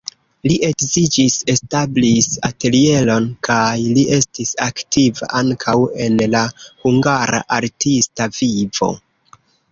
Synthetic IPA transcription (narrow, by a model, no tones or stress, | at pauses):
liʔe̞kzid͡ʒise̞stablisa̰te̞lie̞lo̞nkʰajliʔe̞stisaktiva̰ʔaŋkʰawe̞nlahuŋɡaɾa̰ʔaɾtistavivo̞̰